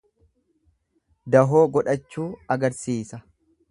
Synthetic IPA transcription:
d̪ɐɦo̞ːɡɔᶑɐt͡ʃːuːɐɡɐɾsiːsɐ

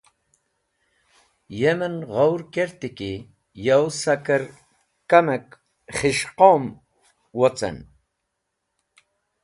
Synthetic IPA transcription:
jemənʁawɾkeɾt̪iki | jawsakəɾ | kamek | χiʃqoːm | wot͡sa̰n

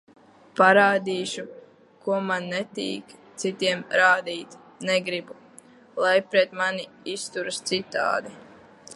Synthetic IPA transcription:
paɾaːd̪iːʃu | kuɔmanːɛt̪ḭːk | t̪sit̪iɛmɾaːd̪iːt̪ʲ | nɛɡɾibu | lˠajpɾɛt̪maniist̪uɾɨst̪sit̪a̰ːd̪i

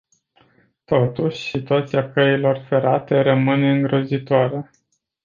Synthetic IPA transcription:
t̪o̞t̪uʃʲsit̪uat̪siakəilo̞rfe̞ɾat̪e̞ɾəmɨne̞ɨŋɡɾəzit̪oaɾə

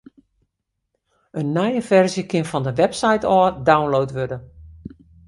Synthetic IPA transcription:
ənːɛjəfɛrzjəkʰɪnfɔndəʋɛpsajtɔːdawnlowtʋødən

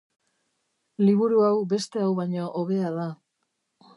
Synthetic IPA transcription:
liβ̞uɾuawbe̞st̪e̞awβajɲo̞ʔoβe̞aða

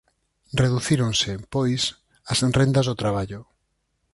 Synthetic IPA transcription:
reðuθiɾoŋsɪpojs | ɐsrend̪azðot̪ɾaβ̞aʎʊ

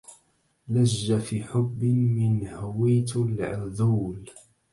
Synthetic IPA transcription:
laʒːafiːħʊbːɪmɪnhʊwiːt̪lʕʊðuːl

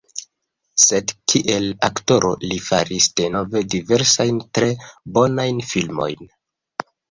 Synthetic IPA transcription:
se̞dkʰiʔe̞la̰kto̞ɾo̞̰lifaɾisd̥e̞no̞ve̞dive̞ɾsajntɾe̞bo̞najnfilmo̞̰jn

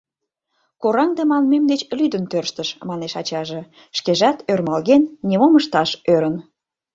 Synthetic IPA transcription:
koɾɑŋd̪emɑnmymd̪et͡ɕlyd̪ənt̪ørʃt̪əʃmɑneʃɑt͡ɕɑʒĕ | ʃkeʒæt̪øɾmɑlɣenːʲemoməʃt̪ɑʃøɾən

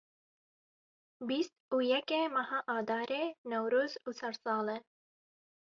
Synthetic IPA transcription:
biːst̪̚uːjɛkemɐhɑʔɑːd̪ɑːɾeːnɛwɾoːzuːsɐɾsɑːlɛ

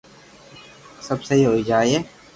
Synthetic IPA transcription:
sɐbsɐɦiɦoiːd͡ʒaːie

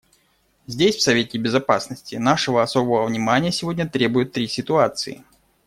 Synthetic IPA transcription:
zʲdʲesʲfsɐvʲetʲɪbʲɪzɐpasnəsʲtʲɪnaʂəvəɐso̞bəvəvnʲɪmanʲɪjəsʲɪvo̞dʲnʲət̪ɾʲe̞bʊjʊt̪ːɾʲisʲɪt̪ʊat̪sɨɪ̰

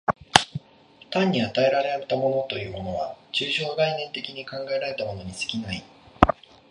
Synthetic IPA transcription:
t̪ãɲ̟ːiat̪ae̞ɾaɾe̞ɾet̪amo̞no̞t̪o̞jɯ̟ːmo̞no̞β̞at͡ɕɨːɕo̞ːɡainẽ̞nt̪e̞kʲiɲ̟ikãŋɡae̞ɾaɾe̞t̪amo̞no̞ɲ̟isɨ̥kʲinai

